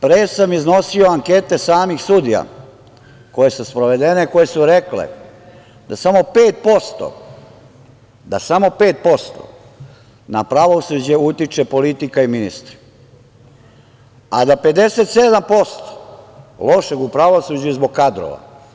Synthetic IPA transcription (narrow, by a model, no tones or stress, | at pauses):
pɾeːsamizno̞sio̞aŋke̞t̪e̞saːmixsud̪ija̰ | ko̞je̞suspɾoʋe̞d̪e̞neko̞je̞suɾe̞klḛ | d̪asamo̞peːt̪̚po̞st̪o̰ | d̪asamo̞pe̞ːt̪̚po̞st̪o̰ | napɾaʋo̞sud͡ʑeut̪it͡ʃepo̞lit̪ikaiminist̪ɾi̥ | ad̪ape̞d̪e̞set̪sed̪ampo̞st̪o̥lo̞ʃe̞ɡupɾaʋo̞sud͡ʑuzboɡ̚kad̪ɾo̰ʋa̰